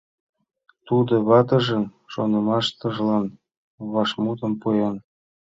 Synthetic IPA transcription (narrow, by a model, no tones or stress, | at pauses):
t̪ud̪ɤ̆βɑt̪ə̆ʒə̆n | ʃo̰nə̆mɑʃt̪ə̆ʒlɑn | βɑʃmut̪ə̆mpujɑn